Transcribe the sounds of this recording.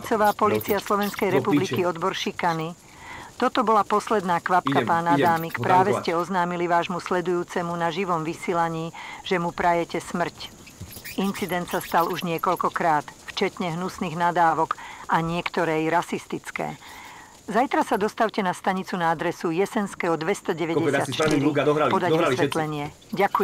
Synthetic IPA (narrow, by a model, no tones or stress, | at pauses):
t͡sɔʋaːpɔliːt͡siaslɔʋɛnskɛjɾɛpublikiɔd̪bɔɾʃikani | t̪ɔt̪ɔbɔlapɔslɛd̪naːkʋapkapaːnad̪aːmikpɾaːʋɛscɛɔznaːmiliʋaːʒmuslɛd̪ujuːt͡sɛmunaʒiʋɔmʋisiːlaɲiːʒ̥ɛmupɾajɛcɛsmr̩c | int͡sid̪ɛnt̪sast̪aluʒɲɪɛkɔʎkɔkɾaːt̪ft͡ʃɛt̪ɲɛɦnusniːɣnad̪aːʋɔkʔaɲɪɛkt̪ɔɾɛjɾasist̪it͡skɛ̰ː | zajt̪ɾasad̪ɔst̪awcɛnast̪aɲit͡sunaad̪ɾɛsujɛsɛnskɛːɦɔd̪ʋɛst̪ɔɟɛʋɛɟɛsɪat̪t͡ʃt̪ɾipɔd̪aɔsʋɛt̪lɛɲɪɛ | ɟaku